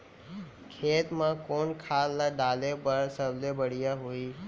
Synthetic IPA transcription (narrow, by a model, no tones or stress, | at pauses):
kʰeːt̪mãkoːnkʰaːlːaɖaːlepəɾsəblebəɽ̤ijaɦuiː